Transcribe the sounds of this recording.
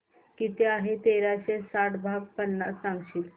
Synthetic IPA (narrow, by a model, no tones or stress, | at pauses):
kiːt̪eaɦet̪eɾaɕesaʈbʱaɡ̚pənːasãŋɡɕiːl